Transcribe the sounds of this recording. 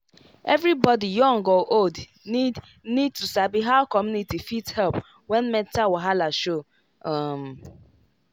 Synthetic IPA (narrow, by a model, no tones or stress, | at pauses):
ɛvɾibɔdijɔ̃ŋɡɔʔold | nid̚tusabiɦaʊkɔmjunitifithɛlp | wɛnmɛ̃ntawaɦalaʃo | ɔm̩